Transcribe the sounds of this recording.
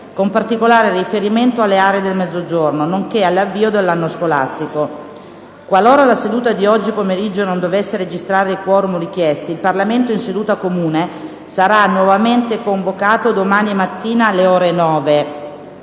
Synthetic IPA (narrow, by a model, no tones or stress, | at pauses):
kompart̪ikolaːɾerifeɾiment̪oalːeaːɾeed̪elmɛd̪zːod͡ʒornonoŋkealːavːiːod̪elːanːoskola̰st̪iko | kwaloːɾalased̪uːt̪ad̪iɔd͡ʒːipomeɾid͡ʒːonond̪ovesːeɾed͡ʒist̪ɾaːɾeikwɔːɾumorik̟jɛst̪iilparlament̪oinsed̪uːt̪akomuːne | saɾanːwɔvament̪ekoɱvokaːt̪od̪omaːniemat̪ːiːnaleoːɾenɔːve